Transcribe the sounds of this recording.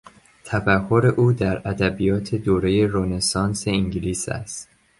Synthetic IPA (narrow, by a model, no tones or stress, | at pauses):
t̪ʰæfæho̞ɾe̞ʔuːd̪æɾæd̪æbijɒːt̪ʰe̞d̪oːɾe̞je̞ɾone̞sɒːnse̞iŋɟiliːsæ̰st̪